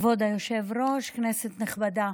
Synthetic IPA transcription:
vod̪ajoʃevɾo̞ʃkneset̪neχbad̪a

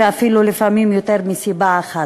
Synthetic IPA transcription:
eafilulifamimjot̪eʁmisibaːχa

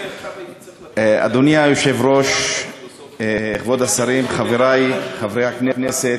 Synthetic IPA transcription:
a̰d̪onjajoʃe̞vɾo̞ʃ | eχvo̞d̪asaɾimχaveɾajχavɾejhakneneset̪

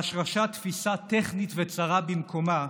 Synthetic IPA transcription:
aʃʁaʃat̪fisat̪eχnit̪vet͡saʁabimkʰo̞ma

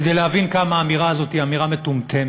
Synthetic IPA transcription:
d̪ejleɦavinkamaːmiʁaːzo̞t̪iamiʁamet̪umt̪ʰem

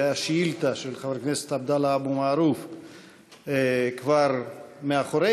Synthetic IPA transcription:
jaʃilt̪aʃelχaveɾkneset̪abd̪alaabumaːɾuf | kvaɾmeaχoɾe

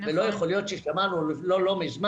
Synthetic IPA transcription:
velo̞jeχolijo̞t̪ʃeʃamanulolo̞mizma

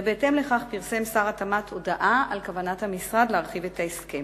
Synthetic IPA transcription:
beːte̞mle̞χaχpiʁse̞msaʁatamat̪ʰo̞daʔaalkavanathamisʁad̪leaʁχive̞tʰaeskem

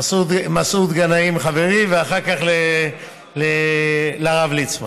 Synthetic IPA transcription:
asut̪masut̪ɡanaimχaveʁiveaχaʁkaχle | lelaʁavlit͡sma

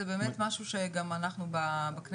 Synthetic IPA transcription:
ebeːmetmaʃuʃeɡamanaχnubabakn

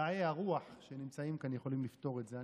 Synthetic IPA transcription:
ajeaʁuaħʃenimt͡saimkanjeχo̞limlift̪o̞ʁe̞tze̞a

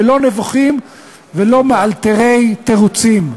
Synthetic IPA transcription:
lo̞nevuχim | velo̞mealt̪eʁe̞jt̪eʁut͡sim

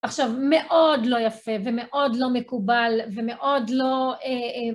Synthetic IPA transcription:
aχʃavme̞ʔo̞dlo̞jafevemeʔo̞dlo̞mekubalveme̞ʔo̞dlo̞e

